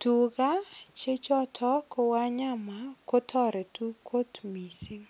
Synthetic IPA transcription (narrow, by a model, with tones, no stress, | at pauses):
tu˨ɡa˦t͡ʃe˦t͡ʃɔ˦tʰɔ˦ko˧wa˦ɲa˦ma˨ko˦tʰɔ˦ɾe˨tu˦kʰo˦tmi˨si˦ŋ